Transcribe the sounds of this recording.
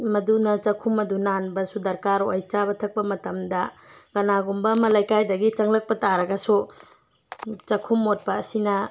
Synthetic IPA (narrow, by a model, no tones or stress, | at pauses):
mɐdunɐt͡ʃɐkʰumːɐdunanbɐsudɐɾkaɾojt͡ʃabɐtʰɐk̚pɐmɐtɐmdɐɡ̥ɐnaɡumbɐmɐlajkajdɐɡit͡ʃɐŋlɐk̚pɐtaɾɐɡɐsu | t͡ʃɐkʰumːot̚pɐːsinɐ